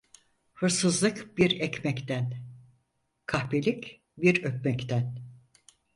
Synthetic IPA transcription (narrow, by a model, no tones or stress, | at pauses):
hɯɾsɯzlˠɯkbiɾɛcmɛct̪æn | kʰahpelʲic | biɾøp̚mɛct̪ʰæn